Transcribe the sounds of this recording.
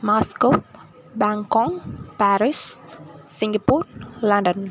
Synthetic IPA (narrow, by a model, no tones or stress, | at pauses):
maskop̚ | baŋkɔŋpaɾis | siŋɡapurlandən